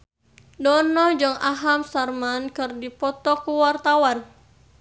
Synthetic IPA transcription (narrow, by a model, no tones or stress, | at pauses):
dɔnɔd͡ʒɨŋaɦamsarmankɨrdipɔt̪ɔkuwart̪awan